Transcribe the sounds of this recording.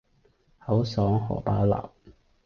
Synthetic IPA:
hɐ˨˥wsɔː˨˥ŋhɔ̰ː˨˩paː˨˥la̰ː˨˩w

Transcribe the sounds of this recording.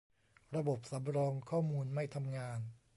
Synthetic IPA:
ɾa˧bo˨˩p̚sa˩˦mɾɔː˧ŋkʰɔː˥˩muː˧nma˥˩jt̪ʰa˧mŋaː˧n

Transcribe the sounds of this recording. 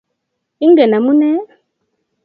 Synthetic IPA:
i˦ŋ˦ɡɛ˨na˨mu˦nɛ˦

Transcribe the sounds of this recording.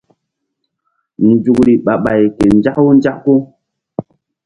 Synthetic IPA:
n˨d͡ʒu˨kɾi˨ɓa˨ɓa˨jke˨n˦d͡ʒa˦kwo˦n˦d͡ʒa˦kko˦

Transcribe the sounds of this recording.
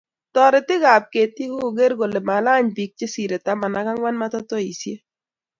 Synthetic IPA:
tɔ˨ɾɪ˨t̪ɪ˦ɣa˨p̚ke˨t̪ɪ˦hu˦˨ɡe˦ɾɡo˨le˨ma˨la˦ɲbi˨k̚t͡ʃe˦si˨ɾe˨t̪a˦ma˨na˨˦ka˦ŋwa˦nma˦tɔ˦t̪ɔ˦i˨sje˦

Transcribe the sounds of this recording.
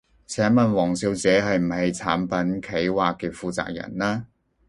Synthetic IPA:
t͡sʰɛː˨˥nmɐ˨nwɔː˨˩ŋsiː˧wt͡sɛː˨˥ɦɐ˨jm̩˨˩hɐ˨jt͡sʰaː˨˥npɐ˨˥nkʰe˨˥jwaː˨kːɛː˧fuː˨t͡sa̰ː˧k̚jɐ̰˨˩nlaː˥

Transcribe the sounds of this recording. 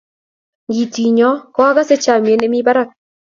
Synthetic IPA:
ɡi˨ti˨ɲɔ˨˦kɔ˦a˦ɡa˦se˦t͡ʃa˨mje˨˦ne˦mi˦ba˦ɾa˦˨k̚

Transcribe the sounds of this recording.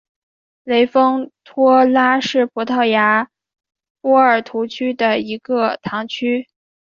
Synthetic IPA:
le˧˥ɪfɤ˥ŋt̪ʰwɔ˥la˥ʂɻ̩˥˩pʰɔ˧˥t̪ʰɑ˥˩ʊja˧˥ | pwɔ˥ə˞˨˩t̪ʰu˧˥t͡ɕʰy˥d̪ə˨i˧˥ɡə˧t̪ʰɑ˧˥ŋt͡ɕʰy˥

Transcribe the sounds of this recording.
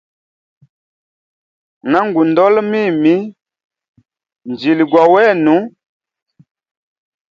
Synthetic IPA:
na˦ŋɡu˨ndɔ˦lmi˦˨mi˦ | n˨d͡ʒi˨li˨ɡwa˨wɛ˦˨nu˨˦

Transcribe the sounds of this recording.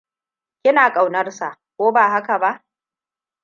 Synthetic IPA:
kʲɪ˦naː˨kʼa˨wnɐ˦rsa˨ʔkʷoː˦baː˨ɦa˦ka˨ba˦ʔ

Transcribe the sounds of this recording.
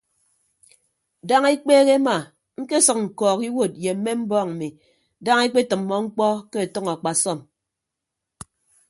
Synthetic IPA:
da˦ŋe˦k͡peː˦ɣe˦ma˨ | ŋ̩˦ke˦sɨ˨k̚ŋ̩˨kɔː˨ki˦wo˦˨t̚je˨m̩˦me˦m̩˦bɔː˦ŋm̩˨mi˨ | da˦ŋe˦k͡pe˦tɨ˨mːɔ˦ŋ͡m̩˦k͡pɔ˦ke˦e˨tɔ˦ŋa˨k͡pa˨sɔ˦˨m

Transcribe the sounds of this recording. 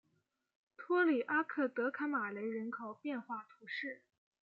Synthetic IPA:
t̪ʰwɔ˥li˨˩ʔa˥kʰɤ˥˩t̪ɤ˧˥kʰa˧˥nma˨˩le˧˥ɪɻə˧˥nkʰo˨˩ʊpjɛ˥˧nxwa˥˩t̪ʰu˧˥ʂɻ̩˥˩

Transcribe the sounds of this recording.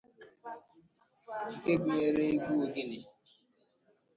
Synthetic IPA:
ŋ̩˨te˦ɡi˨˦e˦ɾe˦ɡu˦o˨ɡi˦ni˨

